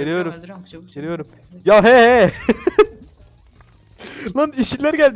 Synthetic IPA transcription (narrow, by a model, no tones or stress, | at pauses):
eɾijo̞ɾumeɾijo̞ɾum | jaɦɛɦɛ | naniʃit̪lʲæɾɟælʲd̪